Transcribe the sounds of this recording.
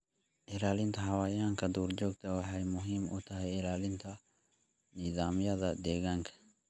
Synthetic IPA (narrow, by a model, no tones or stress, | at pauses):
ʔɪlaːlɪnt̪ʰɐɦɐwaːjaːŋkʰɐd̪uːrd͡ʒɔːɡt̪ʰɐwɑħɑjmʊɦiːmʔʊ̰t̪ʰɐɦɛjɪlaːlɪnt̪ʰɐ | niːðaːmjɐðɐd̪ɛːɣaːŋkʰɐ̥